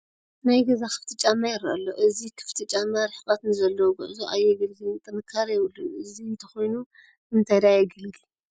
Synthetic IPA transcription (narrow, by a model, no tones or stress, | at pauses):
najɡɐzakʰɨ̥ft̪ʰɨt͡ʃʼamːajɪɾʔɐlːo̰ʔɨzikʰɨ̥ft̪ʰɨt͡ʃʼamːaɾɨħbat̪nɨzɐlːɐwɡɨ̰ʔzuʔajːɛɡɨlɡɨlɨt̪ʼɨnɨkʰːaɾjɪwɨlːunʔɨziɨnt̪ʰɐ̥xo̞jnu | ɨnt̪ʰajd̪ajɛɡɨlɡi